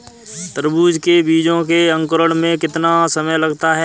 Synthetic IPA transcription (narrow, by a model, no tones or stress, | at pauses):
t̪əɾbuːd͡ʒkebiːd͡ʒõkeə̃ŋkəɾəɽ̃mẽkɪt̪nasəməjlɐɡt̪aɦɛː